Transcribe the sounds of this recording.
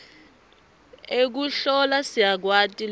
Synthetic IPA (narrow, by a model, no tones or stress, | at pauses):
ek̬uɬɔlasiak̬watʼil